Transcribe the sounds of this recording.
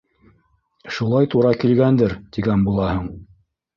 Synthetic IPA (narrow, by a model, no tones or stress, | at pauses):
ʃulˠɑjt̪uɾɑkilɡænd̪ɘɾt̪iɡænbulˠɑhɤɴ